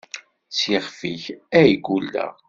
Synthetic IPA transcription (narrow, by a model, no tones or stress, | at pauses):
t͡sjiχfiçæjɡulːæ̰